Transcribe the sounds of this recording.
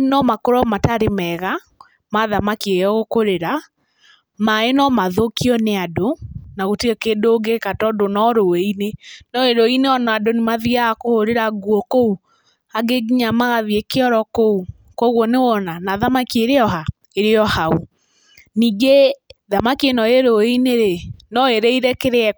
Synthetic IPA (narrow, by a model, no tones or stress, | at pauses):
nɔmakoɾɔmataɾemɛɣa | maðamakiejɔɣokoɾeɾa | maenɔmaðokiɔneadonaɣoteɔkendoɡekatɔdonɔɾoɛinenɔeɾoineɔnaadonemaðiakohoɾeɾaɡwɔkou | aɡeɡiɲamaɣaðiekeɔɾɔkou | koɣɔnewɔnanaðamakieɾeɔɦa | eɾeɔhau | niːɡeðamakienɔeɾoineɾenɔeɾeiɾɛkeɾeɛ